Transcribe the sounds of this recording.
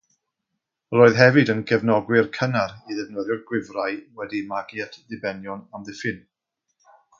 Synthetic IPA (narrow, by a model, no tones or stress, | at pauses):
roːɨðɦɛvɨdənɡɛvnɔɡwɪrkʰənaɾiðɛvnəðjʊrɡwɪvrajwɛdimaɡjatʰðɪbɛnjɔnamðɪfɪn